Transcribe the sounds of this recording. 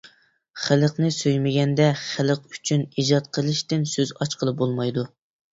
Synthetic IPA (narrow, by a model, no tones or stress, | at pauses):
χɪlˠəqnɨsøjmɪɡʲɛnd̪ɛχælˠəqy̥t͡ʃʰynid͡ʒɑt̪̚qʰəlˠɨʃt̪ɪnsøzɑt͡ʃqʰəlˠɨp̚bolˠmɑjd̪u